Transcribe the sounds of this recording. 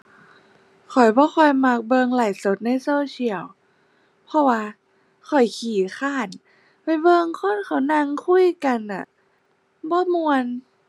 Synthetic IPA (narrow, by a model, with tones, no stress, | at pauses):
kʰɔ˨˩jbɔː˧˦xʰɔ˧˩jma˧k̚bɤː˧ŋla˨˩jso˨˦t̪̚na˧˩˨jsoː˧t͡ɕʰi˧˩əw | pʰɔ˧waː˧ | kʰɔ˨˩jkʰiː˨˩˦xaː˧˥˩n | pa˧˩jbɤː˧ŋkʰo˧˥˨nkʰa˧˨˦wna˧ŋkʰu˧˥˩jka˧nʔa̰˨˩ | bɔː˧˦mu˧ən